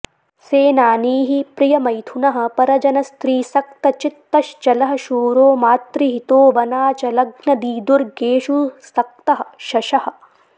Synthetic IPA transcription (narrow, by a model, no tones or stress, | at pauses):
seːnaːniːɦipɾijɐmɐjt̪ʰunɐɦɐ̆pɐɾɐd͡ʒɐnɐst̪ɾiːsɐkt̪ɐt͡ʃit̪ːɐʃt͡ʃɐlɐɦɐ̆ʃuːɾoːmaːt̪ɾiɦit̪oːʋɐnaːt͡ʃɐlɐɡnɐd̪iːd̪uɾɡeːʃusɐk̚t̪ɐɦɐ̆ʃɐʃɐhɐ̆